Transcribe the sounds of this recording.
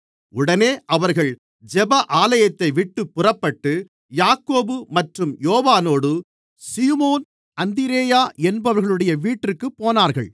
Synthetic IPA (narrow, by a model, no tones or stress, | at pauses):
ʊɽɐneːʔɐʋɐɾɣɐɭ | d͡ʒɛbɐʔaːlɐjɐt̪ːɐɪʋɪʈːɯpːʊrɐpːɐʈːɯ | jaːkːoːbɯmɐʈrɯmjoːʋaːnoːɽɯ | siːmoːn | ɐnd̪ɪɾeːjaːʔɛnbɐʋɐɾɣɐɭɯɽɐjɐʋiːʈːɯkːɯpːoːnaːɾɣɐɭ